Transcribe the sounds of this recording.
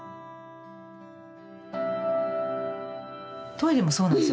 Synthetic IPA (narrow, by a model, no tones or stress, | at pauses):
t̪oiɾʲemoso̞ːnãns